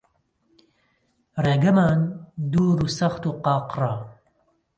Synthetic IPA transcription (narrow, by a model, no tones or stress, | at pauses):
reːɡɐmaːnd̪uːɾuːsɐxt̪uːqɑːqrɑː